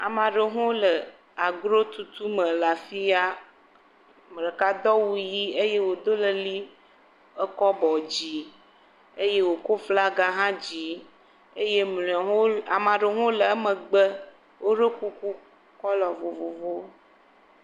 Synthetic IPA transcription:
a˨mã˨ɖe˨ɦõ˦lə˨ | a˨ɡɾo˦t̪u˨t̪u˦mə̃˨la˨fi˦a˦ | m˨ɖə˨ka˦d̪ɔ˦wu˦ji˦e˦je˦wo˨d̪o˦lə˨li˦ | ə˦kɔ˦bɔ˨d͡ʑi˨ | e˦je˦wo˨ko˦fla˦ɡa˦ɦã˦d͡ʑi˨˦ | e˦je˦m˨˦a˨mã˨ɖe˨ɦõ˦lə˨a˦mə̃˨ɡ͡bə˦ | wo˦ɖə˦ku˦ku˦ | kɔ˦lɔ˨vo˨vo˨vo˦

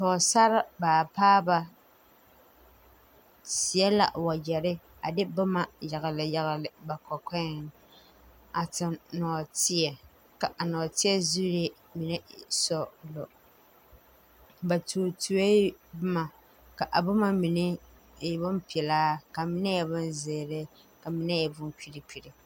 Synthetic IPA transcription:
tɔː˨sa˦ɾa˦baː˨paː˦ba˨ | si˨ɛ˦la̰˨wa˨jɛ˨ɾɪ˦ | a˨dɪ˦bʊ˦ma˦˨ja˨ɣa˨lɨ˨ja˨ɣlɨ˨ba˨kɔ˨kɛ˦˨n | a˨tɪ˨mnɔː˨tɪ˦ɛ˨ | ka˨ʔa˨nɔː˨tɪ˦ɛ˦zu˦ɾe˦ | mi˨nɛ˦sɔ˨lɔ˨ | ba˨toː˨tu˨e˦bʊ˦ma˨ | ka˨ʔa˨bʊ˦ma˦mi˨nɪ˦˨ | ɛ˨bʊ˦mpi˨ɛ˨laː˦ka˨mi˦nɛ˦ja˨bʊ˦nze˨ɾɪ˦ | ka˨mi˨˦nɛ˦jɛ˨bʊ˦nki˦ɾi˦pi˨ɾɪ˨

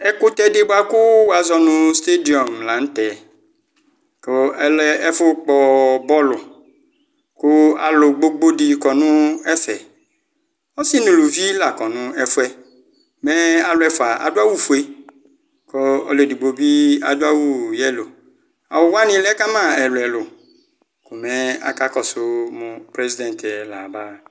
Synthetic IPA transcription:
ɛ˦kʊ˦t̪ɛ˦dɪ˦bʊ˦a˨kʊ˦wa˨zɔ˦nʊ̃˦˨st̪e˦di˨ɔ˨mla˨ñ̩˦t̪ɛ˨ | ko˦ɛ˦lɛ˦ɛ˦fʊ˦k͡pɔ˨bɔ˦lʊ˨ | kʊ˦a̰˨lʊ˨ɡ͡bo˦ɡ͡bo˦di˨kɔ˨nʊ̃˦ɛ˦sɛ˨ | ɔ˦sɪ˦nũ˨lu˨vi˦la˨kɔ˨nʊ̃˦ɛ˨fʊ˦ɛ˦ | mɛ˦a˨lʊ˦ɛ˦fʊ˨a˨ʔa̰˨dʊ˦a˦wu˦fu˨e˦ | kɔ˦ɔ˨le˨di˨ɡ͡bo˨bi˦a˨dʊ˦a˦wu˦jɛ˦lo˨ | a̰˨wʊ˨wa˦nɪ̃˨˦lɛ˦ka˦mã˦˨ɛ˨lʊ˨ɛ˨lʊ˨ | kʊ˨mɛ˦a̰˦ka˦kɔ˨sʊ˨mʊ̃˨pɾe˦zi˦dɛ̃˨ntɛ˨la˨ba˦

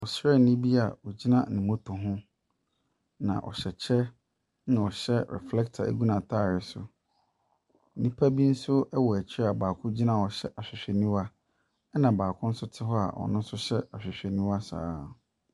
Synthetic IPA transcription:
ɔ˨sɛ˦˨n̩˨nĩ˦bi˦a̰˨ɔ˨d͡ʑi˦nã˦nɪ̃˨mʊ̃˦tʰʊ̃˨ɦʊ̃˦ | nã̰˨ʔɔ̰˨ɕɛ˨t͡ɕʰɛ˦ | nã˨ɔ˨ɕɛ˦ɾɛ̰˨flɛ˦k̚tʰa̰˨ḛ˨ɡu˦nã˨tʰaː˦˨ɾɪ˨sʊ̰˨ | n̩˦nĩ˦pʰa˦bi˦n̩˦sʊ˦ɛ˦wɔ˨ɛ˨t͡ɕʰɪ˦ɾɛ˦a˨baː˨kʰʊ̃˦d͡ʑi˦nã˦˨ɔ˨ɕɛ˦ʔa˨ɕᶣɪ˨ɕᶣɛ˨nĩ˦wa˦ | ɛ˦nã˨baː˨kʰʊ̃˦n̩˦sʊ˦tʰɪ˦ɦɔ˦a̰˨ʔɔ̰˨nʊ̃˦n̩˦sʊ˦ɕɛ˦a˨ɕᶣɪ˨ɕᶣɛ˨nĩ˦wa˦sa̰ː˦

